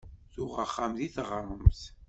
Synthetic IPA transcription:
θʊʁaχːamðiθʁəɾˤəmθ

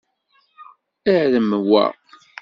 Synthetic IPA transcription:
ɪʕðəmwa̰ʁ

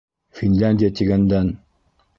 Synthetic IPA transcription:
fʲinlʲænʲdʲijat̪iɡænd̪æn

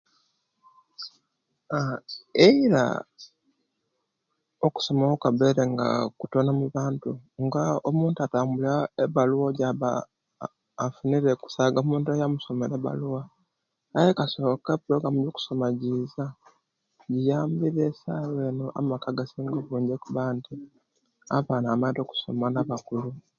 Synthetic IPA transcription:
aeiɾa̰ | oku̥so̞maokaβeɾeŋɡa̰kutonamuβaːntuŋɡaomuːntuataːmbulaeβaluwoɟaβaː | funiɾeku̥saːɡamuːntuajamuso̞meɾeβa̰luwaː | jekaso̞kepuɾo̞ɡɾamuɾjoku̥so̞maɟiza | ɟijaːmbiɾe̞saːwe̞ːnoʔa̰makaɡasiŋɡoβuːɲɟekuβanti | aβaːnaːmaito̞ːku̥so̞̰manaβakulu

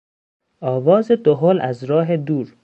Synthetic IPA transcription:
ɒːvɒːzed̪oɦolʔæzɾɒːɦed̪uːɾ

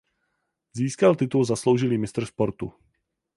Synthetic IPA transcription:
ziːskalt̪ɪt̪ulzaslowʒɪliːmɪst̪r̩spoɾt̪u

